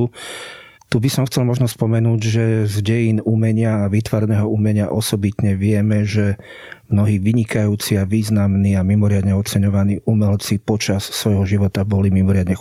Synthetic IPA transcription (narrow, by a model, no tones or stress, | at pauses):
t̪ubisɔmxt͡sɛlmɔʒnɔspɔmɛnuːɟʒɛzɟɛjinumɛɲɪaːʋiːt̪ʋaɾnɛːɦɔumɛɲɪa̰ʔɔsɔbit̪ɲɛʋɪɛmɛʒɛ | mnɔɦiːʋiɲikajuːt͡siaʋiːznamniamimɔɾɪad̪ɲɛɔt̪̚t͡sɛɲɔʋaniːʔumɛlt͡sipɔt͡ʃassʋɔjɦɔʒiʋɔt̪abɔlimimɔɾɪad̪ɲɛ